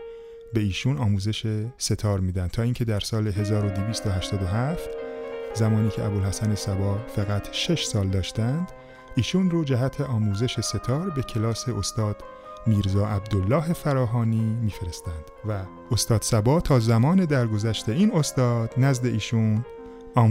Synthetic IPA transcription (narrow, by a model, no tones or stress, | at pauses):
be̞iːʃuːnɒːmuːze̞ʃese̞t̪ʰɒːɾmiːd̪æn̚t̪ʰɒːiːŋcʰe̞d̪æɾsɒːle̞ɦe̞zɒːɾo̞d̪eviːst̪ʰoɦæʃt̪ɒːd̪o̞ɦæft̪zæmɒːniːcʰeʔæbolhæsænesæbɒːfæɣæt̪ʰʃe̞ʃsɒːld̪ɒːʃt̪ænd̪̥ | iːʃuːnroːd͡ʒæɦæt̪ʰe̞ʔɒːmuːze̞ʃe̞se̞t̪ʰɒːɾbe̞cʰe̞lɒːse̞ʔo̞st̪ɒːd̪̥ | miːɾzɒːʔæb̚d̪olːɒːɦe̞fæɾɒːɦɒːniːmiːfe̞ɾe̞st̪ænd̪̥væ | o̞st̪ɒːd̪̥sæbɒːt̪ʰɒːzæmɒːned̪æɾɡo̞zæʃt̪e̞iːno̞st̪ɒːd̪̥næzd̪e̞ʔiːʃun | ɒː